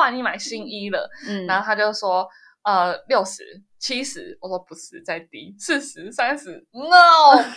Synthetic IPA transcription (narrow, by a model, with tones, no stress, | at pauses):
a˥˧ni˨˩ma˨˩ɪɕi˦ŋi˦lə̰˧˨n˩na˨˦xo˥˧t̪ʰa˥t͡ɕjo˥˧ʊʂwɔ˥ | ə˧ljo˥˨˩ʊʂɻ̩̰˨˩˦ | t͡ɕʰi˦˥ʂɻ̩˨˦wɔ˨˩ʂwɔ˥pu˧˥ʂɻ̩˨˩˦t͡sa˥˩ɪt̪i˧˥s̩ʰ˥˩ʂɻ̩˨˧˦sa˦nʂɻ̩˨˧˦no˨˥˨